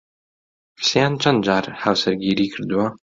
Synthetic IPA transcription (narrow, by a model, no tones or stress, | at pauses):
xsijant͡ʃʰɐnd͡ʒaːrħawsɐɾɡʲiːɾiːkʰɨɾd̪wa